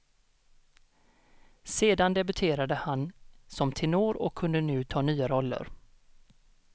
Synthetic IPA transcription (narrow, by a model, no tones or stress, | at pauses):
seːd̪and̪ɛbɵt̪ʰeːɾad̪əhansɔmt̪ʰɪnoːɾɔ̰kʰːɵnd̪ənʉ̟ːt̪ʰɑːnyːaɾɔlːə̰ɾ